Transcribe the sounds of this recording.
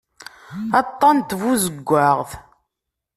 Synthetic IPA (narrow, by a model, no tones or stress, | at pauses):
ɑt̪ˤːɑnt̪vuzəɡʷːaʁθ